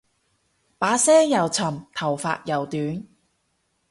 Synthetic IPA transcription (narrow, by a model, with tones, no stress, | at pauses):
paː˨˥sɛː˥ŋjɐ˨˩wt͡sʰɐ˨˩mt̪ʰɐ˨˩wfa̰ː˧t̚jɐ˨˩wt̪yː˨˥n